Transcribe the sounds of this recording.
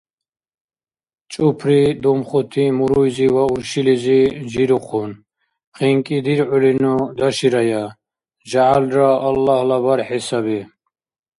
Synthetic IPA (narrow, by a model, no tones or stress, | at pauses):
t͡ʃʼupʰɾid̪ɔmχɔt̪ʰimuɾɾujzivauɾʃilizid͡ʒiɾuqʰun | χiŋkʼid̪iɾʕulinɔd̪aʃiɾaja | d͡ʒaʕalɾaːlːahlabaɾħisabi